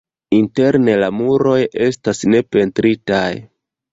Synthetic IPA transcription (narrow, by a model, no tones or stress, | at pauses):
inte̞ɾne̞lamuɾo̞je̞stasne̞pe̞ntɾitaj